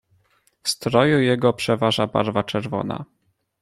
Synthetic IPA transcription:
fst̪ɾɔjujɛɡɔpʂɛvaʐaba̰ɾvat͡ʂɛɾvɔ̰na̰

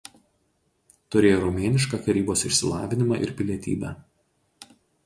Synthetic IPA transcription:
t̪ʊɾʲeːjoːɾɔmʲeːnʲɪʃkɑkɐɾʲiːboːsɪʃʲsʲɪlˠɑ̰ːʋʲɪnʲɪmɑ̰ːʔɪ̰ɾpʲɪlʲiɛt̪ʲḭːbʲæ̰ː

